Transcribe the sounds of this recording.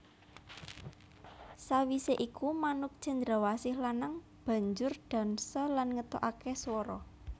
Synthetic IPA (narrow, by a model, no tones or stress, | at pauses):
sawiseʔikumanʊk̚t͡ʃa̤nd̪ɾawasɪhlanaŋ | b̥ä̤ɲd͡ʒʊrɖ̪̥a̤nsɔlanŋət̪ɔʔakeswɔɾɔ